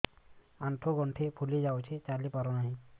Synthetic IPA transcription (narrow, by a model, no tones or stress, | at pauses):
aɳʈʰoɡɔɳʈʰepʰulid͡ʒawt͡ʃʰet͡ʃalipaɾonaɦĩ